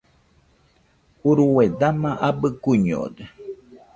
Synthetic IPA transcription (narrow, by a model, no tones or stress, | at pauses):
uɾuwed̪amãʔabɨkuɲo̰de